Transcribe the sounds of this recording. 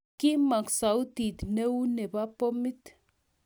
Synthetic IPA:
ki˦ma˨ksa˨u˦t̪i˨t̪ne˦u˦ne˨ba˦po˦mi˦t̪

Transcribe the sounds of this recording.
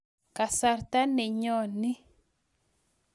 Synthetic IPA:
ka˨sa˨ɾt̪a˦nɛ˨ɲɔ˦˨ni˦

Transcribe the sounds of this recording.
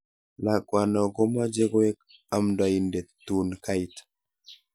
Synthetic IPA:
la˨kwa˨nɔ˨ɡo˦ma˦d͡ʒe˦ɡo˦e˦k̚ | a˦mda˨i˨nde˨tːu˦nka˦i˨t

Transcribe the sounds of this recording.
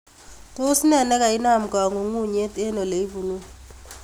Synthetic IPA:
to˦si˦nɛ˨nɛ˦ka˨i˦na˦˨m̩˨ka˨ŋo˨ŋu˦˨ɲe˦te˦no˨le˨i˦vu˨nu˦

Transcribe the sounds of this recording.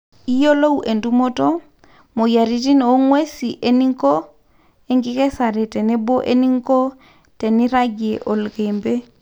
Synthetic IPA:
i˦jo˦lo˦wʔe˨ndu˦mo˦tɔ˦ | mo˨ja˨ɾi˨˦ti˦n˨o˦ŋwe˦si˨ʔe˦ni˦ŋkɔ˦ | e˦ŋɡi˦kɛ˦sa˨ɾɛ˨tɛ˨nɛ˦bo˦ʔe˦ni˦ŋkɔ˦ | tɛ˨ni˦ɾa˦ɡi˨e˨ʔo˨lɣembe˦

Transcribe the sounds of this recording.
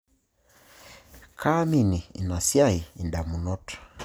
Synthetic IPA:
kʰa˦mi˨ni˨ḭ˨na˨sia˦iː˨nda˨mu˨nɔ˦tʰḁ˨

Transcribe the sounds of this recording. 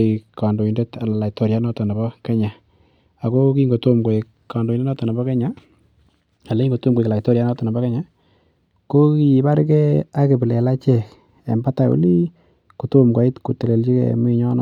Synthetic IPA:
ika˨ndo˨i˨nde˦ta˨la˨la˨ito˨ɾja˦nɔ˦tɔ˨na˨bɔ˦kɛ˦ɲa˨ | a˨ko˦ki˦ŋɡo˨to˦mɡo˨i˨ | ka˨ndo˨i˨de˦nɔ˦tɔ˨na˨bɔ˦kɛ˦ɲa˦ | a˨la˦i˦ŋɡo˨to˦mɡo˨kla˨i˨to˦ɾja˦nɔ˦tɔ˨na˨bɔ˦kɛ˦ɲa˨ | ko˦ki˨i˨ba˦ɾkɛ˦a˦ke˨bɪ˨le˨la˦t͡ʃɛ˨k | ḛ˨mba˦ta˨ṵ˦li˦ | ku˨to˦mkwa˨i˦tku˨te˨le˨lt͡ʃi˦kḛ˨mu˦i˨ɲɔ˦nɔ̰˦

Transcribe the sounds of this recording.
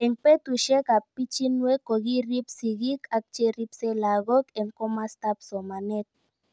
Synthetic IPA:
ɛ˨ŋpe˦t̪u˨ʃɛ˦ka˨pi˦t͡ʃi˦nwe˦ko˨ɣi˦ri˦psi˨ɣi˦kʰa˦k̚t͡ʃe˦ɾi˦psɛ˦la˨ɣɔ˦kɛ˨ŋkɔ˦ma˦st̪a˦psɔ˨ma˨nɛ˦t̪̚

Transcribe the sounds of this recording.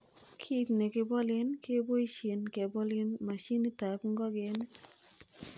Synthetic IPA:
kʰi˦t̪ne˨kɪ˨bɔ˦lɪ˦nke˦bo˦i˦ʃe˨nke˨bɔ˦lɪ˦nma˨ʃi˦ni˦ta˨kŋɡɔ˦ɡɪ˨˦n

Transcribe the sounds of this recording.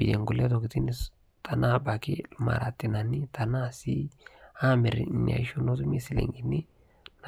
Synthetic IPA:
bḭ˨de˨ŋɡu˨le˦t̪o˨ki˨t̪i˦ni˦s | t̪ʰa˨na˦ba˨ki˦lma̰˨ɾa˨t̪ːi˨na˨ni˦t̪ʰa˨na˦si˦a˦me˨ɾna̰˨i˦ʃu˦no˦t̪u˦mi˦si˨lḛ˨ŋɡi˨nːi˦ | n

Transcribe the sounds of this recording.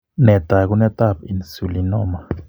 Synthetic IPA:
nɛ˨t̪a˨ku˦nɛ˦t̪a˦˨p̚i˨nsu˨linɔː˦ma˨

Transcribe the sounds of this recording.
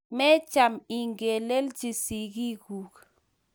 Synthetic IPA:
mɛ˦t͡ʃa˨mi˨ŋɡe˨lɛ˦ld͡ʒi˨si˨ɡi˦ku˨k

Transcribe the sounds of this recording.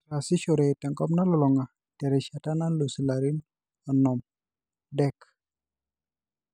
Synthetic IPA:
a˨sɪ˦ʃɔ˨ɾe˨tɛ˨ŋkɔ˦mna˦lɔ˨lɔ˨ŋa˨ | tɛ˨ɾɛ˨ʃa˨ta˦na˦lo˨si˨laɾi˦n | ɔ˨nɔ˨m | dɛk

